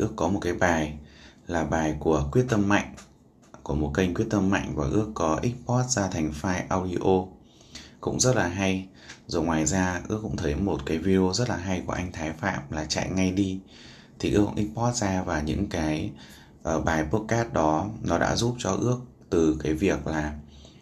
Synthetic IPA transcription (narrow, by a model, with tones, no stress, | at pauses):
ʔɨ˦˥əkːɔ˨˦mo˨˩t̚kaː˨˦jɓaː˨˩jlaː˨˩ɓaː˨˩jku˧˩əkwi˦˥ət̚t̪ə˧mːa̰˧˨jŋ̟ | ku˧˩əmo˨˩t̚kə˧ŋ̟kwi˦˥ət̚t̪ə˧mːa̰˧˨jŋ̟vaː˨˩ʔɨ˦˥əkːɔ˨˦ʔi˦˥k̚pɔ˦˥t̚zaː˧t̪ʰa˨˩ŋ̟faː˧jʔaː˧wɗi˧ʔo˧ | kʊ̰˧˥ŋ͡mzə˦˥t̚laː˨˩ɦa˧j | zo˨˩jŋwaː˨˩jzaː˧ʔɨ̰˦˥əkːʊ̰˧˥ŋ͡mt̪ʰə˨˦jmo˨˩t̚kaː˨˦jvi˧ɗo˧zə˦˥t̚laː˨˩ɦa˧jku˧˩əʔa˧jŋ̟t̪ʰaː˨˦jfa̰ː˧˨mlaː˨˩t͡ɕa̰˧˨jŋa˧jɗi˧ | t̪ʰi˨˩ʔɨ˦˥əkʔï˦˥k̚pɔ˦˥t̚zaː˧vaː˨˩ɲɨ̰˧˥ŋkaː˨˦j | ʔəː˧˩ɓaː˨˩jpo˦˥ək̚kaː˦˥t̚ɗɔ˨˦nɔ˨˦ɗa̰ː˧˥zu˦˥p̚t͡ɕɔ˧ʔɨ˦˥ək̚ | t̪ɨ˨˩kaː˨˦jvi˨˩ək̚laː˨˩